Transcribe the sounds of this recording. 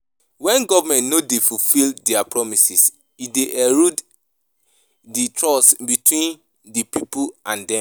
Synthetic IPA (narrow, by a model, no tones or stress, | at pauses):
wɛ̃nɡɔvamɛ̃ntnodefufildɛapɹɔmisis | ideʔɛɹud | ditʰɹɔsbitʰwĩn | dipipuãndɛ̃m